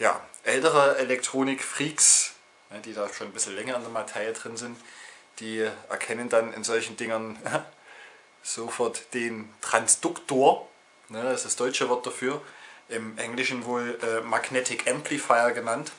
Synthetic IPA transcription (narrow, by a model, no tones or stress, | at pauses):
ja̰ːʔɛltəʁəɛlɛk̚tʁ̥oːnɪkfʁ̥iːks | nəd̥iːdaːʃoːnbɪsl̩lɛŋɐɪndeːɐmatʰaɪədʁɪnzɪntd̥iːʔɛ̰ɐkʰɛnəndanɪ̰nzɔlçn̩dɪŋən | z̥oːfɔɐtd̥eːntʁ̥ansd̥ʊktoːɐ | nəasd̥asd̥ɔʏt͡ʃəvɔɐt̚d̥afyːɐʔɪmʔɛŋlɪʃn̩voːlʔɛːmaɡnɛtʰɪkʔɛmplifaɪɐɡənant